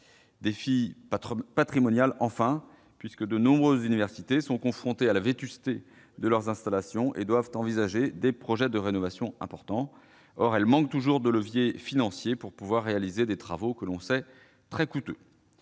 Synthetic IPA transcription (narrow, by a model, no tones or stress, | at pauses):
d̪efi | pat̪χimɔnjalɑ̃fɛ̃ | pɥiskəd̪ənɔ̃bʁøzːynivɛʁsit̪esɔ̃kɔ̃fχɔ̃t̪ealavet̪yst̪e | d̪əlœʁzɛ̃st̪alasjɔ̃ʔḛd̪wavt̪ɑ̃vizaʒed̪epχɔʒɛd̪əʁenɔvasjɔ̃ɛ̰̃pɔʁt̪ɑ̃ | ɔʁɛlmɑ̃k̚t̪uʒuʁd̪ələvjefinɑ̃sjepuʁpuvwaʁːealized̪et̪χavokəlɔ̃sɛ | t̪χɛkut̪ø